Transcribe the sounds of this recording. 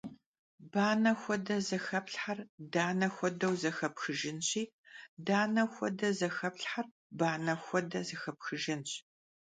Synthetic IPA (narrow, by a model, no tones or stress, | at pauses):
baːnɐxʷɔdɐzɐxɐpɬħardaːnɐxʷɔdɐwzɐxɐpxɨʒɪnɕiː | daːnɐxʷɔdɐzɐxɐpɬħar | baːnɐxʷɔdɐzɐxɐp̚xɨʒɪnɕ